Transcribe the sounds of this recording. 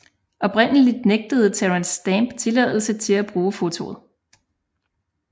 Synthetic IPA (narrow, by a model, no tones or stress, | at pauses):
ʔɒ̽b̥ʁen̰əlid̥neɡ̥̚d̥əð̞̩ˠt͡sʰæʁænsd̥æmb̥t͡sʰe̝lɛð̞̰ˠl̩sət͡sʰe̝læb̥ʁuːfo̝t͡sʰo̝̰ð̩ˠ